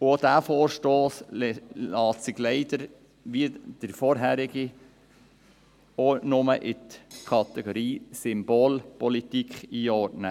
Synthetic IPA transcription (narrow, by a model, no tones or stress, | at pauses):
od̥æːfoːɾʃtoːslɑːtsɪɡleɪd̥əɾ | ʋid̥əɾfɔɾɦæɾɪɡ̥i | onʊməʔɪt̪kʰɑt̪ɛɡ̥oɾiːsɪmb̥oːlpɔlit̪ikʰχiːɔɾtnə